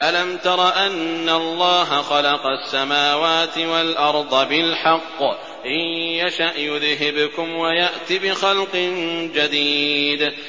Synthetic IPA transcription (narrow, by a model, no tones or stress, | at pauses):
ʔalamt̪ɑɾˤɑʔanːaɑlˤːɑːɦaxɑlɑqɑsːamaːwaːt̪ɪwalʔɑɾˤd̪ˤbɪlħɑqː | ʔɪːaʃaʔjʊðɦɪbkʊmwajaʔt̪ibɪxɑlqɨnd͡ʒad̪iːd̪